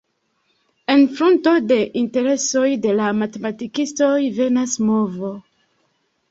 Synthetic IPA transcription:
e̞nfɾunto̞de̞ʔinte̞ɾe̞so̞jde̞lamate̞matikisto̞jve̞nasmo̞vo

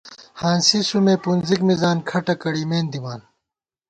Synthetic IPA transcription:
hãːnsisumeːpunzikmizaːnkʰɐʈɐkɐɽiːmeːnd̪imaːn

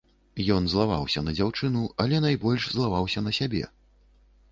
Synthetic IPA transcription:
jɔnzlˠava̰wsʲɐnɐd͡zʲawt͡ʂɨnuɐlʲɛnajbɔlʲʂzlˠavawsʲɐnɐsʲabʲɛ̰

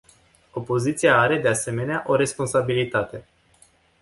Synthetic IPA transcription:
o̞po̞zit̪sijaaɾe̞d̪e̞ase̞me̞neaʔo̞ɾe̞spo̞nsabilit̪at̪e̞

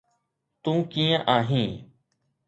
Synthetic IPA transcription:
t̪ũːkiːə̃ʔaːɦĩː

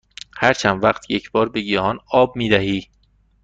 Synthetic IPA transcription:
hæɾt͡ʃʰænvæqt̪ʰjecʰb̥ɒːɾbeɡihɒːnɒːb̚miːd̪æɦiː

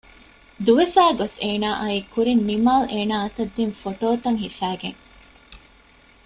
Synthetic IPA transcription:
d̪uʋefæːɡoseːnaːʔɐiːkuɾinːimaːlʔeːnaːɐt̪ɐd̪ːinfoʈoːt̪ɐŋɦifæːɡeŋ

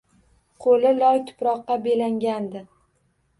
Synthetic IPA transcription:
qʰolɪlɒjt̪ʰʊ̥pɾɒqːɑbe̞laŋɡʲand̪ɪ

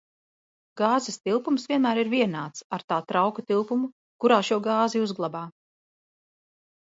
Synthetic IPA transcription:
ɡaːzɛst̪ilˠpumsv̥ʲiɛnmæːɾiɾvʲiɛnaːt̪saɾt̪aːt̪ɾawkat̪ilˠpumu | kuɾaːʃuɔɡaːziuzɡlˠabaː

